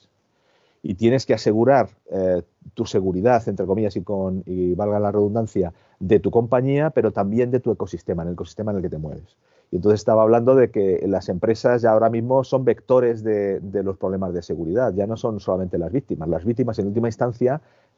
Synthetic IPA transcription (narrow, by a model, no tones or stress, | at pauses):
it̪je̞ne̞ske̞ase̞ɣuɾaɾ | t̪use̞ɣuɾiðaθent̪ɾeko̞miʎasikoniβalɣalare̞ð̞und̪anθja | ðe̞t̪uko̞mpaɲiape̞ɾo̞t̪ambje̞nd̪e̞t̪ue̞ko̞sist̪e̞maeneleko̞si̥st̪emaenelke̞t̪e̞mwe̞̰βes | ient̪oθesst̪aβaːβ̞land̪o̞ðe̞ke̞lase̞mpɾe̞sazʝaoɾamizmo̞so̞mbe̞kt̪o̞ɾe̞zðe̞d̪e̞lo̞spɾo̞β̞le̞mazðe̞se̞ɣuɾiðat̪ʝano̞so̞nso̞lament̪e̞lazβik̚t̪imazlazβik̚t̪̬imas̬e̞nult̪imainst̪an̟θja